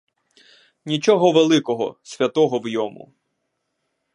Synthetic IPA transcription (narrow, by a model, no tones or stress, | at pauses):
nʲit͡ʃɔɦɔʋelˠɪkɔɦɔ̰sʲʋʲɐt̪ɔɦɔwjɔmṵ